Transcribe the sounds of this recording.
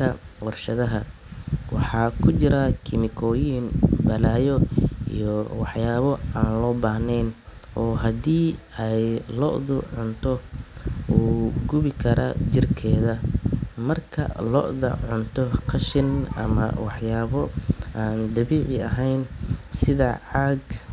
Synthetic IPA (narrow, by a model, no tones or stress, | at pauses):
kʰɐwɑrʃɐðɐɦɐ | wɑħɑːkʰʊt͡ʃɪɾɐkʰɪmɪkʰɔːjiːnbɐlaːjɔḭjɔwɑħjaːβɔaːnlɔːbaːhnɛjn | ʔɔːɦɐd̪iːɛjlɔʔðʊʕʊnt̪ʰɔ | uːɡʊβɪkʰɐɾɐ̰t͡ʃɪrkʰɛːðɐmɐrkʰɐ̰lɔʔðɐ̰ʕʊnt̪ʰɔqʰɐʃɪnɐ̰mɐ̰wɑħjaːβɔʔaːnd̪ɐβiːʕɪɐ̰ɦɛjnsɪðɐʕɑɡ